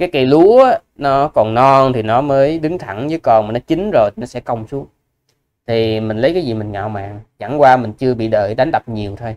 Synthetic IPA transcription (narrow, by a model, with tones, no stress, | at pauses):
kaː˨˦jka˧˩lu˨˦ə˨˦nɔ˨˦kɔ˨˩nnɔ˧nt̪ʰi˨˩nɔ˨˦məː˨˦jɗɨ˨˦ŋt̪ʰa˧˩ŋzəː˨˦jkɔ˧nmaː˨˩nɔ˨˦t͡ɕi˨˦ŋ̟zo˨˩jnɔ˨˦sɛ̰˧˥kə˧wŋ͡msu˨˦ək̚ | t̪ʰi˨˩mï˨˩ŋ̟lə˨˦jkaː˨˦jzi˨˩mï˨˩ŋ̟ŋa̰ː˧˨˩wma̰ː˧˨ŋt͡ɕa̰˧˩ŋkwaː˧mï˨˩ŋ̟t͡ɕɨ˧əɓḭ˧˨ɗə̰ː˧˨˩jɗa˨˦ŋ̟t̪ə˨˩p̚ɲi˨˩əwt̪ʰo˧j